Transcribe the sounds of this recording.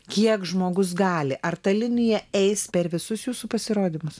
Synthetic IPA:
kʲiɛkʒmoːɡʊs̬ɡɑːlʲɪʔɐrt̪ɐlʲɪnʲɪjɛɛɪspʲɛɾʋʲɪsʊsjuːsuːpɐsʲɪɾoːd̪ʲiːmʊs

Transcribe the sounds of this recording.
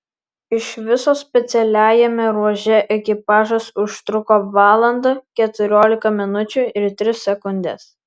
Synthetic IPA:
ɪʃʋʲɪsoːsʲpʲɛt̪sʲɛlʲæːjɛmʲɛɾuɔʒʲɛʔɛkʲɪpɑːʒɐsʊʃt̪ɾʊkoːʋɑːlˠɐnd̪ɐkʲɛt̪ʊɾʲoːlʲɪkɐmʲɪnʊt͡ʃʲʊɪɾt̪ʲɾʲɪsːʲɛkʊnʲd̪ʲɛs

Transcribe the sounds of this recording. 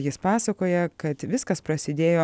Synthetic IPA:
jɪspɑːsɐkoːjɛkɐt̪ʋʲɪskɐspɾɐsʲɪd̪ʲeːjoː

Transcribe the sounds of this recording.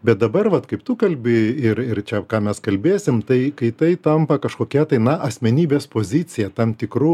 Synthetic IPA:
bʲɛt̪̚d̪ɐbɐrʋɐt̪kɐɪpt̪ʊkɐlʲbʲɪɪrɪrt͡ʃʲɛkɑːmʲɛskɐlʲbʲeːsʲɪmt̪ɐɪkɐɪt̪ɐɪt̪ɐmpɐkɐʃkoːkʲɛt̪ɐɪnɐʔɐsʲmʲɛnʲiːbʲeːspoːzʲɪt͡s̪ʲɪjɛt̪ɐmt̪ʲɪkru

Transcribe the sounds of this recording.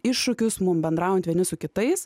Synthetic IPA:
ɪʃʃʊkʲʊsmʊmbʲɛnd̪ɾɑːˑʊjɛnt̪ʋʲiɛnʲɪsʊkʲɪt̪ɐɪs

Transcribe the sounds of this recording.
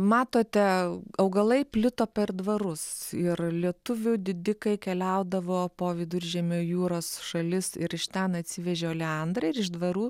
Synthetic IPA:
mɑːt̪oːt̪ʲɛɐʊɡɐlˠɐɪpʲlʲɪt̪oːpʲɛrd̪ʋɐɾʊsɪrlʲiɛt̪ʊʋʲʊd̪ʲɪd̪ʲɪkɐɪkʲɛlʲɛʊd̪ɐʋoːpoːʋʲɪd̪ʊɾʲʒʲɛmʲoːjuːɾoːsʃɐlʲɪsɪɾɪʃt̪ʲɛnɐt̪ʲsʲɪʋʲɛʒʲɛolʲɛɐnd̪ɾɐɪɾɪʒd̪ʋɐɾuː

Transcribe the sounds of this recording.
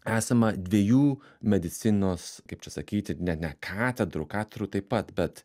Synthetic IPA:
æːsɐmɐd̪ʲʋʲiɛjuː | mʲɛd̪ʲɪt̪sʲɪnoːskɐɪpt͡ʃʲɛsɐkʲiːt̪ʲɪnʲɛt̪nʲɛkʰɑːt̪ʲɛd̪ɾʊ̰kɑːt̪ʲɛɾut̪ɐɪpɐt̪bʲɛt̪

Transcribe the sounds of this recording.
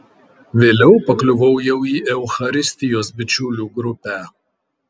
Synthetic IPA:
ʋʲeːlʲɛʊpɐklʲʊʋɐʊjɛʊiːʔɛʊxɐɾʲɪsʲt̪ʲɪjoːsbʲɪt͡ʃʲʊlʲuːɡɾʊpʲæˑ

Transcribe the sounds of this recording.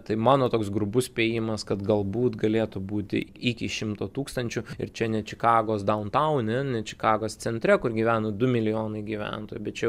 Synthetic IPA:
t̪ɐɪmɑːnoːt̪oːksɡɾʊbʊspʲeːjɪmɐskɐt̪ɡɐlˠbuːt̪ɡɐlʲeːt̪ʊbuːt̪ʲɪ̰ikʲɪʃʲɪmt̪oːt̪uːkst̪ɐnʲt͡ʃʲʊɪ̰rt͡ʃʲɛnʲɛt͡ʃʲɪkɑːɡoːsd̪ɐʊnt̪ɐʊnʲɛnʲɛt͡ʃʲɪ̥kɑːɡoːst͡s̪sʲɛnʲt̪ʲɾʲɛkʊrɡʲiːʋʲæːnɐd̪ʊmʲɪlʲɪjoːnɐɪɡʲiːʋʲæ̰nt̪oːjbʲɛt̪t͡ʃʲɛ

